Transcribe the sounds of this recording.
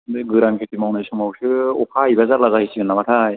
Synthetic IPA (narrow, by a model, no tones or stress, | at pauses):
ɡɯɾaŋkʰekimawnajsɔŋawsɯɔkʰaibazaɾlazahisiɡɯnːamatʰaj